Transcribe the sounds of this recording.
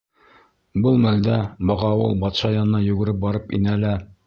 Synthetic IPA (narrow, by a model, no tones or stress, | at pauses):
bɤlˠmæld̪æbɤʁɑwɤ̰lˠbɑt̪ʃɑjɑnɤ̆nɑjʉ̆ɡɘ̆ɾɘp̚bɒɾɤpḭnælæ